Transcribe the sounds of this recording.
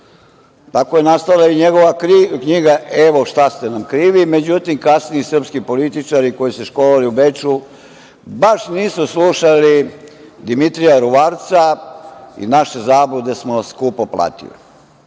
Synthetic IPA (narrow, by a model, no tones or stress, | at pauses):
t̪akojenast̪alˠaiɲeɡoʋakɲiːɡaʔeʋo̞ʃt̪ast̪enamkɾiːʋime̞d͡ʑut̪imkasniisr̩pskipolit̪it͡ʃaɾiko̞jiseʃkolaliuʋet͡ʃu | baʃniːsusluʃali | d̪imit̪ɾijaɾuʋaɾt̪sa | ḭnaʃe̞zaːbud̪e̞smoskuːpopla̰t̪ḭlḭ